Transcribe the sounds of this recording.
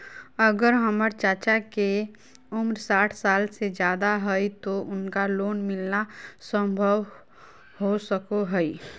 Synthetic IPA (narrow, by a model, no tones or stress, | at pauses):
əɡəɾɦəməɾt͡ʃaːt͡ʃake | ʊmɾsaːʈʰsaːlsed͡ʒjaːd̪aɦɛit̪oʔʊnkaloːnmɪlnasə̃mbʱəʋ | hosəkoɦəi